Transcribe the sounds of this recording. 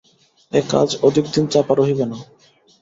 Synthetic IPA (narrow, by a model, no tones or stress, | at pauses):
eka̰d͡ʑod̪ʱikd̪int͡ɕapaɾoɦibena